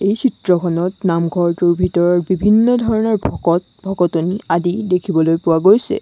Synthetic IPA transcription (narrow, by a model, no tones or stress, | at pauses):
ejsitɹɔkʰɔnɔtnamɡʱɔɹtuɹbʱitɔɹɔɹbibʱinːɔdʱɔɹɔnɔɹbʱɔɔt | bʱɔɡɔtoniadidekʰibɔlojpʊwaɡojsɛ̰